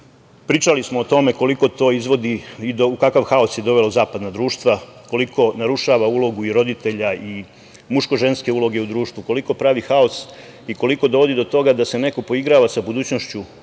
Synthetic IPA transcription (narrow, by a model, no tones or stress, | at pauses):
pɾiːt͡ʃalismoːt̪o̞me̞ko̞liko̞t̪o̞ːizʋo̞d̪iid̪oukakaʋxao̞sje̞d̪o̞ʋe̞lazaːpad̪nad̪ɾuːʃt̪ʋako̞likʰo̞naɾuʃaʋaulo̞ɡuiɾo̞d̪it̪e̞ʎai | muʃko̞ʒe̞nske̞ulˠo̞ɡe̞ud̪ɾuːʃt̪ʋuko̞liko̞pɾaʋixao̞s | iko̞liko̞d̪o̞ʋo̞d̪id̪o̞t̪o̞ɡad̪ase̞ne̞ko̞po̞iɡɾaːʋasabud̪uːt͡ɕnoʃt͡ɕu